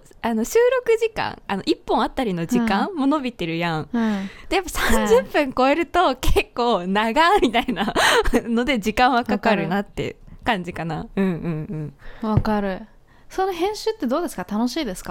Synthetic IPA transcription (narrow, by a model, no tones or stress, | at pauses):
ano̞ɕɨːɾo̞kɯ̟ʑikã̰ŋano̞̰ʔipːõɰ̃at̪ːaɾʲino̞d͡ʑikãmo̞no̞bʲit̪e̞ɾɯ̟jãd̥̪e̞japːasãɲd͡ʑɨpːɯ̟̃ŋko̞e̞ɾɯ̟t̪o̞kekːo̞ːnaɡamʲit̪ainano̞d̪e̞d͡ʑikãɰ̃βakakaɾɯ̟nat̪ːe̞̰kãɲ̟d͡ʑikanaɯ̟̃ɴɯ̟̃ɴɯ̟̃ɴβakaɾɯ̟ | so̞nohẽ̞ɰ̃ɕɨːt̪ːe̞d̪o̞ːd̪e̞sɨ̥kat̪anoɕiːd̪e̞sɨ̥ka